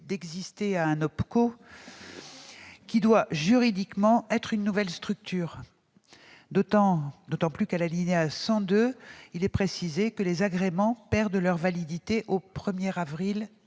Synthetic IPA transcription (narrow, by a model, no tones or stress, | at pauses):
d̪ɛɡzist̪eaɛ̃nɔpko | kʲid̪waʒyʁid̪ikmɑ̃ɛt̪χynːuvɛlst̪χyk̚t̪ʰyːʁ | d̪oɑ̃d̪ot̪ɑ̃plykalalineasɑ̃d̪øilɛpχesizekəlezaɡʁemɑ̃pɛʁd̪lœʁvalid̪it̪eʔopχəmjɛʁavʁil